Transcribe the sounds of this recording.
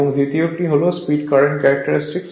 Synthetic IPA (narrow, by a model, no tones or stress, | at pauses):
oŋd̪it̪iokʈiɦolospiɖkaɾeɳʈkɛɾɐk̚ʈəɾisʈiks